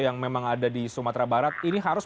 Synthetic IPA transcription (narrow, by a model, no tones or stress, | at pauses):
jaŋmemaŋadadisumat̪ɾabaɾat̪̚iniɦaɾʊs